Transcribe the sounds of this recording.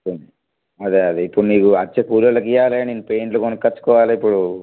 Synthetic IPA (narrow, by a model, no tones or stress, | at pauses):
und̪i | ɐd̪eɐd̪eipːuɽuniːkuɐt͡ʃːekuːɾjɐlɐk̬ijaːleːninːupeːɳʈlukonikʲkːɐt͡ʃːu̥kɔːʋaːlːipːuɽu